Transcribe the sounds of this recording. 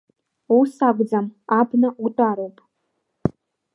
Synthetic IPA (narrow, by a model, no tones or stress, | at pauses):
usaɡʷd͡zamabnɨutʼaɾowpʼ